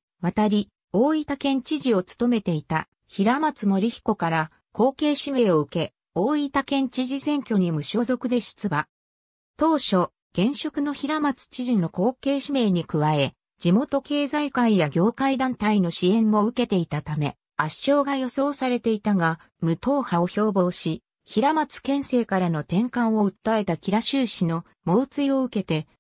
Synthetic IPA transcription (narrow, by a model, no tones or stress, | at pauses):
βat̪aɾʲi | oːit̪akẽ̞ɲ̟t͡ɕiʑio̞t͡sɨ̥t̪o̞me̞t̪e̞it̪a | çiɾamat͡sɨmo̞ɾʲiçi̥ko̞kaɾa | ko̞ːke̞ːɕime̞ːo̞ɯ̟ke̞ | o̞ːit̪akẽ̞ɲ̟t͡ɕiʑisẽ̞ŋkʲo̞ɲ̟imɯ̟ɕo̞ːzo̞kɯ̟d̪e̞ɕi̥t͡sɨba | t̪o̞ːɕo̞ | ɡ̥ẽ̞ɰ̃ɕo̞kɯ̟no̞çiɾamat͡sɨ̥t͡ɕiʑino̞ko̞ːke̞ːɕime̞ːɲ̟ikɯ̟βae̞ | d͡ʑimo̞t̪o̞ke̞ːzaikaijaɡʲo̞ːkaid̪ãnt̪aino̞ɕiẽ̞mːo̞ɯ̟ke̞t̪e̞it̪at̪ame̞̰ | aɕo̞ːɡajo̞so̞ːsaɾe̞t̪e̞it̪aɡa | mɯ̟t̪o̞ːhaoço̞ːbo̞ːɕi | çiɾamat͡sɨ̥kẽ̞ɰ̃se̞ːkaɾano̞t̪ẽ̞ŋkãɰ̃o̞ɯ̟t̪ːae̞t̪akʲiɾaɕɨːɕino̞ | mo̞ːt͡sɨio̞ɯ̟ke̞t̪e̞